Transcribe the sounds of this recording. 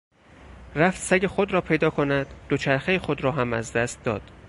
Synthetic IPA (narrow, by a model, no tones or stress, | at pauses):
ræft̪sæɟexod̪ɾɒːpʰe̞jd̪ɒːkʰonæd̪̥ːot͡ʃʰæɾxejexod̪ɾɒːɦæmæ̰zd̪æst̪̚d̪ɒːd̪̥